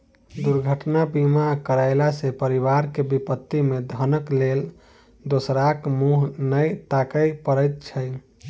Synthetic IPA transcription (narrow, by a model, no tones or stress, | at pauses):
d̪uɾɡʱəʈnabimakəɾaɪlasepəɾiβaɾkebipət̪ːimed̪ʱənəklel | d̪osɾakmuɦnəjt̪akəjpəɾəjt̪̚t͡ʃʰəj